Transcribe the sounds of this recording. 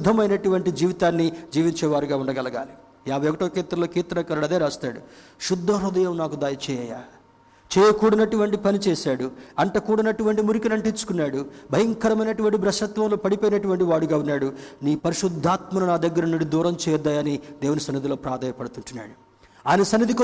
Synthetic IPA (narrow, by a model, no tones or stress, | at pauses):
ʃud̪ʱːɐmɐjnɐʈuʋɐɳʈid͡ʒiːʋit̪aːnːid͡ʒiːʋiɲt͡ʃɛːʋaːɾiɡaːuɳɖɐɡɐlɐɡa̰ːli | jaːbʱɐjɔkɐʈoːkiːt̪ɾɐloːkiːt̪ɐɐkɐɾɐɽɐd̪eːɾaːst̪aːɽuʃud̪ʱːɐɾud̪ɐjɐmnaːkud̪aːjɐt͡ʃɛːjɐjaː | t͡ʃɛːjɐkuːɽɐnɐʈuʋɐɳʈipɐnit͡ʃɛːsaːɽuɐɳʈɐkuːɽɐnɐʈuʋɐɳʈimuɾikinɐɳʈint͡ʃːu̥kunːaːɽubʱɐjɐŋkɐɾɐmɐjnɐʈuʋɐɳʈibɾɐʃɐt̪ʋɐmloːpɐɽipoːjinɐʈuʋɐɳʈiʋaːɽuɡaːunːaːɽuniːpɐɾiʂud̪ʱːaːt̪mɐnɐnaːd̪ɐɡːɐɾɐniɽid̪uːɾɐmt͡ʃɛːd̪aːjɐnid̪eːwunisɐnːid̪ʱilo̞ːpɾaːd̪ʱaːjɐpɐɽut̪uɳʈunːa̰ːɽu | aːjnɐsɐnːid̪ʱik